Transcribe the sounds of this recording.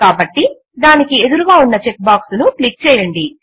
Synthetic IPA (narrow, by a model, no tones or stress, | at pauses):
kaːbɐʈːi | d̪aːnikie̞d̪uɾuɡaːunːɐt͡ʃe̞k̚baːksunuʈlik̚t͡ʃɛːjɐɳɖi